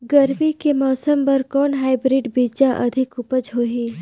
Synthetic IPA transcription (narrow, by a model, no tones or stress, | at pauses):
ɡəɾbikemɔːsəmpɐɾkɔːnɦaːɪbɾiɖbiːd͡ʒaʔɐ̰d̪ʱɪkʊpəd͡ʒɦoːɦiː